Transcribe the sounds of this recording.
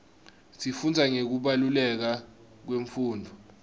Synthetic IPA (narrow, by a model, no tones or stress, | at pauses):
sifund͡zʱaŋek̬uɓalulɛk̬a | k̬weɱfuːndʱɔ